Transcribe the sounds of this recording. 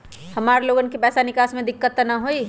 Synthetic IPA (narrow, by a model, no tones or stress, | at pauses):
həmaːɾloːɡənkepɛːsanɪkaːsmẽd̪ɪkːət̪naɦoi